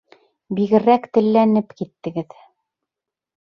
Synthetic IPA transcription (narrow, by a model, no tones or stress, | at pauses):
biɣɘ̆ɾækt̪ɘ̆lːænɘpkit̪ːɘ̆ɡɘð